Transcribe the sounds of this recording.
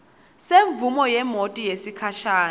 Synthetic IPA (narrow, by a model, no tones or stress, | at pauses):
seɱvumɔjɛmotʼijesikʰaʃaː